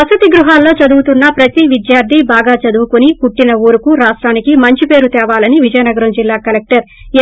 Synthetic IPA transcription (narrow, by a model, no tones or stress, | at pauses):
ɐsut̪iɡɾuɦaːlːoːt͡ʃɐd̪uɡut̪unːɐpɾɐt̪iʋid̪jaːɾt̪ʰibaːɡaːt͡ʃɐd̪uwukunipuʈːinɐuːɾukuɾaːʂʈɾaːnikimɐɲt͡ʃipe̞ːɾut̪ɛːʋaːlɐniʋid͡ʒɐjɐnɐɡɐɾɐmd͡ʒilːaːkɐlek̚ʈɐɾ